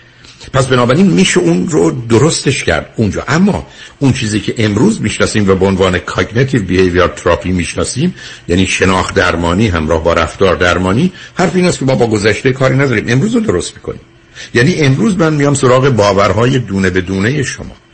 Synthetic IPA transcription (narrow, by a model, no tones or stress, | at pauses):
pʰæsbenɒːbæɾiːnmiːʃeunɾod̪oɾo̞st̪e̞ʃcʰæ̰ɾd̪und͡ʒɒ̰ːʔæmːɒ̰ːunt͡ʃʰiːziːcʰe̞ʔemɾuːzmiːʃnɒːsiːmvæbeonvɒːnekʰɒɟnet̪ʰivbihejvijɒt̪ʰɾɒːpʰimiːʃnɒːsiːmjæniːʃe̞nɒːxd̪æɾmɒːniːɦæmɾɒːhbɒːɾæft̪ɒːɾd̪æɾmɒːniːhæɾfiːnæst̪kʰʲemɒːbɒːɡo̞zæʃt̪ekʰɒːɾiːnæd̪ɒːɾiːme̞mɾuːzod̪o̞ɾo̞st̪mi̥ːkʰo̞̰nḭːm | jæːniːʔe̞mɾuːzmænmijɒːmso̞ɾɒːɣe̞bɒːvæɾhɒːje̞d̪uːne̞be̞d̪uːne̞je̞ʃo̰mɒ̰ː